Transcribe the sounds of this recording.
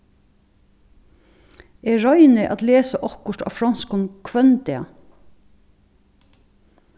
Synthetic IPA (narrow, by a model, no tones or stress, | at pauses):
eːɹɑʏnəʔɑ̰t̪leːsəʔɔkʊʈɑ̰ːfɾɑnskʊnkʰʋœnt̪ɪɑ̰